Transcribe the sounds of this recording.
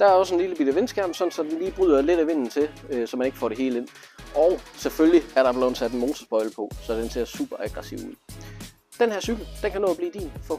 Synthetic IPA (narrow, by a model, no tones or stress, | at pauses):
d̥ɑ̈æɐɒ̽səe̝nliləbid̥æʋe̝nsɡ̥æɐ̰m̩sɒ̽dn̩sɒ̽d̥enliːb̥ʁyð̰ˠɐle̝ɾ̥æʋe̝n̰n̩t͡sʰe̝øsɒ̽mæne̝ɡ̥fɒ̰ːɾe̝ɦe̝ːlə̥e̝n̰ɒʊseføljiæɐɾɑ̈b̥lonsʰæd̥n̩mo̝ːt͡sʰɐsb̥ɒ̽ɪl̩pʰɒ̽sɒ̽d̥ense̝ɐsṵːb̥ɐæɡ̥ʁɑsiʊ̰uð̰ˠ | d̥enhæɐsyɡ̥l̩d̥enkʰænɔ̰ːb̥liːd̥ḭːnfɒ̽